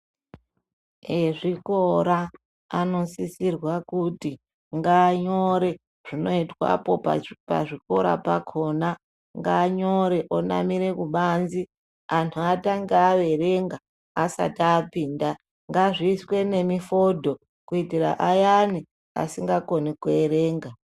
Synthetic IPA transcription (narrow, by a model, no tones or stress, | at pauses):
eʐiko̞ɾa | ano̞sisirwakuti | ŋɡaːɲoɾe̞ | ʐ̥ino̞itwa̰po̞pa̰ʐiko̞ɾa̰pa̰kʰona | ŋɡaːɲoɾe̞ʔona̰miɾe̞kuɓanzi | antʰuataŋɡaʋe̞reŋɡa | asa̰taːpiːnda | ŋɡaʐiːswe̞ne̞mifo̞dʱo̞ | kuitira̰ʔajani | a̰siŋɡako̞nikueɾe̞ːŋɡa